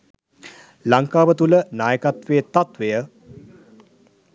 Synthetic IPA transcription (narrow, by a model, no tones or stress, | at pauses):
laŋkaːʋət̪ulənaːjəkat̪ʋeːt̪at̪ʋejə